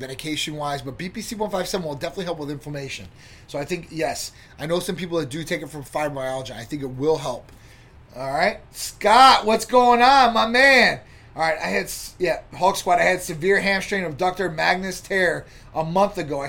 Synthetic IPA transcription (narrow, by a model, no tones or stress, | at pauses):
vɛɾɨkʰeɪʃɨ̃nwaɪzbʌt̚b̥ipisiwʌ̃nfaɪv̥sɛvə̃n̩wəlˠdɛfənətˡliɦɛlˠp̬wəðɪ̃ɱfə˞meɪʃɨ̰̃n | soʊaɪθɪ̃ŋkjɛs | ʔaɪnoʊsʌ̃mpipl̩ˠðɨt̚d̥ɨtʰeɪkɨtfɹʌ̃ɱfaɪɹaɪɑlˠəd͡ʒĩa̰ɪθɪ̃ŋk̬ɨt̚wɪlˠɦɛlˠp̚ | ɔlˠɹaɪt̚skɑʔ̚wʌtsɡ̥oʊɪ̃ŋə̃nmaɪmæ̃n | ɑlˠɹaɪta̰ɪɨdsjæhɔkskwɑɾaɪɨdsɨvɪɹɦæ̃mstɹ̥ẽɪ̃nʌvdɑk̚tə˞mæɡ̚nɨstʰɛɹ | ʔəmʌ̃nθɨɡoʊaɪ